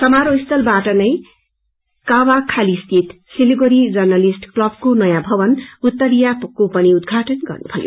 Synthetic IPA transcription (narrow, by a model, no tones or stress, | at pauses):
sʌmaɾoist̪ʌlbaʈʌnʌj | kawakʰalist̪ʰit̪ | siliɡoɾid͡zʌrnʌlisʈklʌb̚konʌjãbʱʌbʌnut̪ːʌɾijakopʌniud̪̚ɡʱaʈʌnɡʌ̰rnubʱʌjo̰